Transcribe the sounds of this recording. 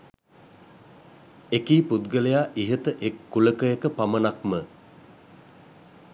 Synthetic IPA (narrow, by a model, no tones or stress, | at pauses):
ekiːpud̪ɡəlejaːʔiɦət̪əʔekːuləkəekəpamənakmə